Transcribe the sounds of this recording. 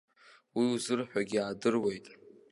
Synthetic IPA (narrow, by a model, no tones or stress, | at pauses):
wiuzɨrħᶣʷaɡʲiaːdɨrwe̞jtʼ